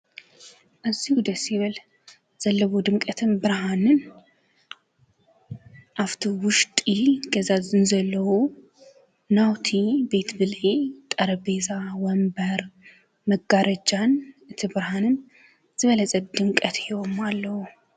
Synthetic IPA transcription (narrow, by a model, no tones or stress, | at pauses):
ʔɨzːihud̪əsiβɨl | z̥əlːəβod̪ɨŋkʼət̪ʰɨnbɨɾɦanɨn | ʔaft̪ʰuwʊʃt̪ʼjɪhlɡəzazɨnzəlːəhu | nawt̪ʰibe̞t̪bɨlet̪ʼəɾəbezawɔmbəɾ | məɡaɾʔəd͡ʒanɨt̪ʰɨbɨɾhanɨn | z̥ɨβələsʼət̪d̪ɨŋkʼət̪ʰjɪwomalːəhu